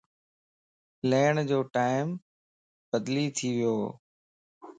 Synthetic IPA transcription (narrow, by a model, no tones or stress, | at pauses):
leːɽ̃d͡ʑoːʈaːɪm | bəd̪liːt̪ʰiʋɪjoː